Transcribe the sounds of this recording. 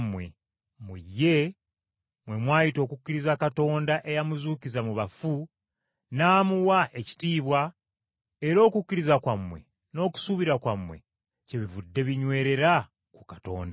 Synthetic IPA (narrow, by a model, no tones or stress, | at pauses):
mwe̞ | mujːe̞ | mwe̞mwaːjito̞ːkukːiɾizakato̞ːndaʔe̞jamuzuːkizamuβafu | naːmuwaʔe̞ci̥tiːβwa | eɾo̞ːkukːiɾizakwamːwe̞̰ | no̞ːku̥suβiɾakwamwe̞̰ | ce̞βivudːe̞βiɲwe̞ːɾe̞ɾa | kukato̞̰ːnda